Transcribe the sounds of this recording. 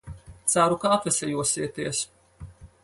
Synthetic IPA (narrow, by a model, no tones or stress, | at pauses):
t̪saɾukaːat̪vɛsʲɛjuɔsiɛt̪iɛs